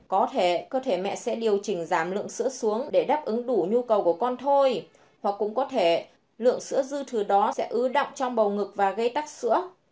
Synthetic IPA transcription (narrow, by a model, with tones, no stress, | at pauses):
kɔ˨˦t̪ʰe˧˩kəː˧t̪ʰe˧˩mɛ̰˧˨sɛ̰˧˥ɗi˨˩əwt͡ɕï˧˩ŋ̟zaː˧˩mlɨ̰˧˨əŋsɨ̰˧˥əsu˨˦əŋɗe˧˩ɗaː˦˥p̚ʔɨ˨˦ŋɗu˧˩ɲu˧kə˨˩wku˧˩əkɔ˧nt̪ʰo˧j | hwa˨˩k̚ːʊ̰˧˥ŋ͡mkɔ˨˦t̪ʰe˧˩ | lɨ̰˧˨əŋsɨ̰˧˥əzɨ˧t̪ʰɨ˨˩ɗɔ˨˦sɛ̰˧˥ʔɨ˨˦ɗə̰˧˨wŋ͡mt͡ɕɔ˧wŋ͡mɓə˨˩wŋɨ˨˩k̚vaː˨˩ɣə˧jt̪a˦˥k̚sɨ̰˧˥ə